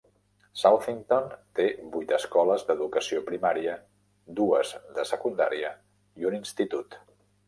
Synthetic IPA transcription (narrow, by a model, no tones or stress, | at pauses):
salfiŋt̪ont̪eβujt̪əskɔləzd̪əðukəsiopɾimaɾiə | d̪uəzðəsəkund̪a̰ɾiə | iuninst̪it̪ut̪